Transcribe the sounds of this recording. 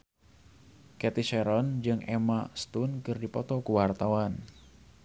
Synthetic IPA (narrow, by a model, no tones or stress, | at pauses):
kɛt̪isɛɾɔnd͡ʒɨŋɛmast̪unkɨrdipɔt̪ɔkuwart̪awan